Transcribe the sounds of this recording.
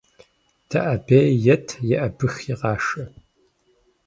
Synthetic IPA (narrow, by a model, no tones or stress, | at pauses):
d̥ʰɐʔɐbeːjɛtʰjɛʔɐbɨxjɪʁɑːʂɐ